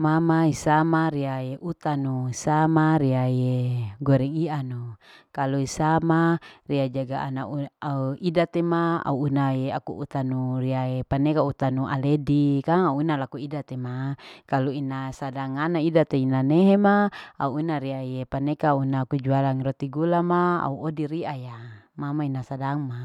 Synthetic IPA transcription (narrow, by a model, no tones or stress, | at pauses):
mamaisamaɾiajeʔut̪anuisamaɾiajeɡoɾɛŋianukaluisamariad͡ʒaɡaʔa̰nauauidat̪emaa̰uːnajeakṵṵt̪anuriaepanekaut̪anuʔa̰ledikaŋauunalakuidat̪emakaluinasadaŋanaidat̪einaneɦemaa̰uːnaɾiajepanekaunaːkud͡ʒualaŋrot̪iɡulamaa̰uodiɾiaja | mamainasadaŋma